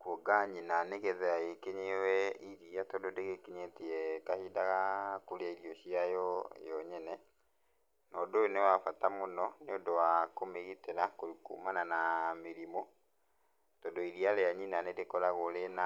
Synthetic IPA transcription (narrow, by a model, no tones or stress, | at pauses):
kwoɡaɲinaneɣɛðɛaekeɲewɛiɾiatɔdodeɣekeɲeteɛkahidaɣakoɾeaiɾiɔɕiajɔjɔɲɛnɛ | nɔdonewafatamonɔnodowakomeɣiteɾakoikṵmananameɾimɔ | tɔdɔiɾialeaɲinanedekɔɾaɣolena